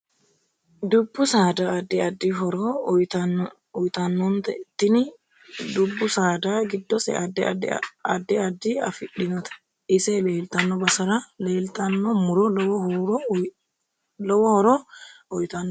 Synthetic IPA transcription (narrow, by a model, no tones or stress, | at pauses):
d̪ʊbːʊsaːd̪aɐd̪ːɪɐd̪ːiɦɔɾɔjt̪ɐ | ɔjt̪ɐnːɔnt̪ɐt̪ːɪnɪ | d̪ʊbːʊsaːd̪aːɡɪd̪ːɔsɛ̰ʔɐd̪ːɛɐd̪ːɪɐd̪ːiɐ̰fɪɗːɪnɐt̪ɐ̥ | ɪsɛleːlt̪ɐnːɔbɐsɐɾɐleːlt̪ɐnːɔmʊɾɔlɔwɔhuɾɔ | lɔwɔhɔɾɔɔjt̪ɐnː